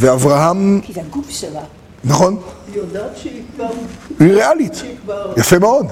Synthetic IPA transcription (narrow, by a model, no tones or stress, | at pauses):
veavʁaɦam | naχɔn | yʁealitjafemeɔd